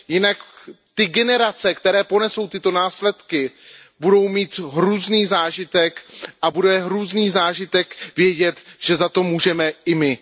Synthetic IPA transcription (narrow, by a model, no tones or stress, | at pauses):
jɪnakt̪ɪɡɛnɛɾat͡sɛkt̪ɛɾɛːpo̞nɛso̞wt̪ɪt̪o̞naːslɛt̪kɪ | budo̞wmiːt̪ɦɾuːzniːzaːʒɪt̪ɛkʔabudɛɦɾuːzniːzaːʒɪt̪ɛkvjɛɟɛt̪ʒ̥ɛzat̪o̞muːʒɛmɛɪmɪ